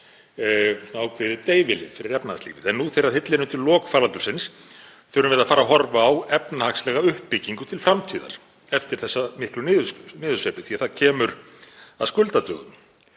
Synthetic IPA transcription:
naːwkʰvɪðɪt̪eːjvɪlɪ̰fɪɾɪɾɛpnaaslḭːvɪðɛnːuθejɾaðhɪt̪lɪnʏmt̪ʰɪllːɔːkfaːlalt̪ʏ̥sɪns | θœɾʏmvɛɾðafaːɾaɦɔɾvaːwɛpnahakslɛːɣaʏhpːɪcːiŋkʏt̪ʰɪlfɾamt̪ʰiːða̰ɾ̥ | ɛft̪ɪɾ̥θɛsːamɪhklʏnɪːðʏnɪːðʏ̥sœpɪθiaðθaðcʰɛːmʏɾ̥ | aðskʏlt̪at̪œ̰ːɣʏm

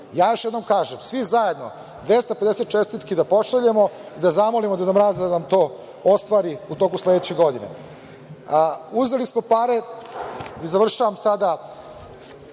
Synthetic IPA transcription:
jaːjo̞ʃjed̪no̞mkaːʒemsʋizaje̞d̪no̞̰ | d̪ʋest̪aped̪eset̪t͡ʃest̪it̪kid̪apo̞ʃaʎemo̞id̪azamo̞limod̪anamɾazad̪anamt̪o̞ː | ost̪ʋaːɾiut̪o̞kuslˠed̪et͡ɕeɡo̞d̪inḛ | uzelismo̞paɾe | izaʋr̩ʃaʋamsad̪a

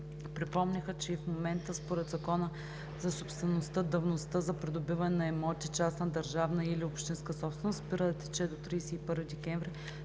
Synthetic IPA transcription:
pɾipɔmnʲəxət͡ʃɛifmomɛnt̪əspoɾɛd̪zɐkɔnə | zɐsopst̪vɛnost̪əd̪ɐvnost̪əzɐpɾɛd̪obivɐnɛnɐɛmɔt̪ʲit͡ʃasnəd̪ɐɾʒavnəiliopʃt̪inskəsɔpsvɛnosbiɾəd̪t̪ɛ̥t͡ʃɛd̪ot̪ɾiːsɛipɤɾvid̪ɛkʲɛɱvɾi

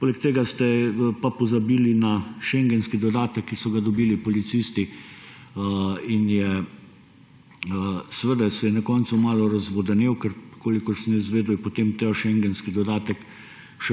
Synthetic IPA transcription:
poːlɛkt̪eːɡast̪ɛpapɔzabiːlinaʃɛŋɡɛnskid̪ɔd̪aːt̪ɛkːisɔɡad̪ɔbiːlipɔlit̪siːst̪i | injɛ | sʋəd̪asɛjɛnakɔnt̪sumaːlɔɾɐzʋɔd̪ɐnewkəɾkoːlikɔɾsnɛzʋeːd̪ujpot̪emt̪ɛʃɛŋɡɛnskid̪ɔd̪aːt̪ɛk | ʃɛ

